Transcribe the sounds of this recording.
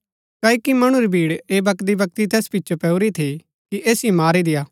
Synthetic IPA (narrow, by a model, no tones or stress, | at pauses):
kaːikimɐɽ̃uɾibʱiːɽeːbɐk̪d̪ibɐk̚t̪it̪ɛːspɪtːt͡ʃʰopɛːuɾit̪ʰi | kiʔeːsimaːɾid̪ɪjaː